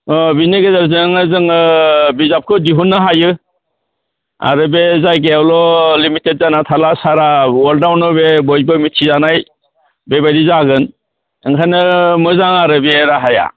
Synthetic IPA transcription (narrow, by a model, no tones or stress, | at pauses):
ɔbiniɡezaɾzɯŋɯzɯŋɯbizap̚kʰɯdiɦunːɯɦajɯ | a̰ɾɯbezajɡeawlɔlimitet̚zanatʰalasaɾawɔldawnɯbebɔjbɯmitʰizanaj | bebadizaɡɯn | ɯŋkʰajnɯmɯzaŋaɾɯbeɾaɦaja̰